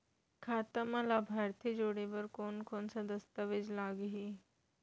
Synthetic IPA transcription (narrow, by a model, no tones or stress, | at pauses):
kʰaːt̪əmɐlaːbʱaːɾt̪ʰid͡ʒoːɽeʋɐɾkoːnkoːnsad̪ɐst̪əʋed͡ʒlaːɡɦiː